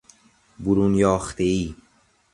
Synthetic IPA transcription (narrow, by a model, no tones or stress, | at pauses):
buɾunjɒːxt̪eiː